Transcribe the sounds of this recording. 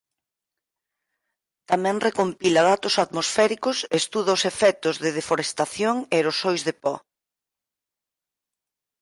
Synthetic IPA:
t̪amɛ̃ŋrekompilaðat̪ʊsaðmosfɛɾikʊsest̪uðaʊsefɛt̪ʊzðɪð̞efoɾest̪aθjoŋeɾosojzðepɔ

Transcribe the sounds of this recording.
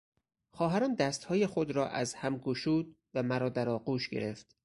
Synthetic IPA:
xɒːɦæɾɒːnd̪æst̪hɒːjexod̪ɾɒːʔæzhæmkʰuʃuːd̪̚ | væmæɾɒːd̪æɾɒːɢuːʃɡe̞̰ɾe̞ft̪

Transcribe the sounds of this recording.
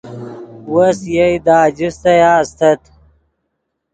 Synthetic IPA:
wɐsjejd̪aːd͡ʑist̪ɐjaːst̪ɐt̪

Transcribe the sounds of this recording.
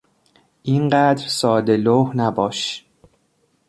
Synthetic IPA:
ʔinɢæd̪ɾsɒːd̪e̞loːhnæbɒːʃ

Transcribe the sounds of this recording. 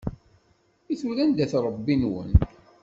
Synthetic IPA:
iθuɾænd̪æθɾˤəbːinwə̰n

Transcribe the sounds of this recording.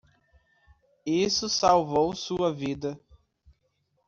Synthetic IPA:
isʊsawvowsuɐvid̪ɐ

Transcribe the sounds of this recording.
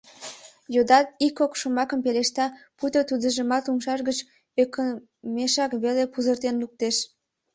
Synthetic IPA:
jod̪ɑt̪ikokʃomɑkəmpeleʃt̪ɑ | put̪ot̪ud̪əʒəmɑt̪umʃɑʃɣət͡ɕ | økə | meʃɑkβelepuzərt̪enluk̚t̪eʃ

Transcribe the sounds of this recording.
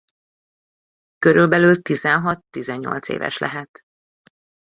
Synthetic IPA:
køɾylbɛlylt̪izɛnɦɒt̪ːizɛɲːo̞̰lt̪sḛːvɛ̰ʃlʔɛ̰ɦɛt̪

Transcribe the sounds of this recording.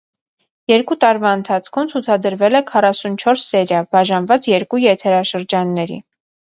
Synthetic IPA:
jɛɾkut̪ɑɾvɑənt̪ʰɑt͡sʰkʰumt͡sʰut͡sʰɑd̪əɾvɛlɛkʰɑrɑsunt͡ʃʰɔɾsːɛɾjɑbɑʒɑnvɑt͡sjɛɾkujɛt̪ʰɛɾɑʃəɾd͡ʒɑnːɛɾḭ

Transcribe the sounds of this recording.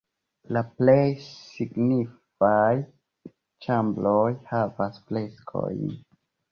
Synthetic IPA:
laplejsiɡnif | aj | t͡ʃamblojhavasfle̞skʰo̞̰jn

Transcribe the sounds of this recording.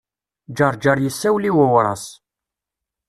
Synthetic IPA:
d͡ʒɑɾˤd͡ʒɑɾˤjəsːæwliwəwɾˤɑ̰s

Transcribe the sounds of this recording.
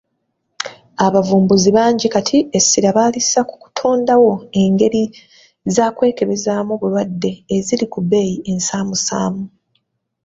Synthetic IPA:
aβavuːmbuziβaːɲɟikatʰiesːiɾaβaːlissaku̥ku̥tʰoːndawo̞e̞ŋɡe̞ɾi | zaːkwe̞ːke̞βe̞zaːmoβulwadːe̞ːzilikube̞jiʔe̞nsaːmusaːmu

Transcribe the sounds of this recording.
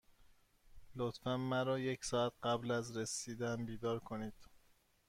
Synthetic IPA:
lot̪fænmæɾɒːjecsɒːæt̪̚ɢæblæzɾesiːd̪æmbiːd̪ɒːɾkʰoniːd̪̥

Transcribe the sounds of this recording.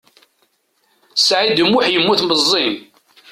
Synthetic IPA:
sʕid̪əmːuħjəmːuθməzˤːin

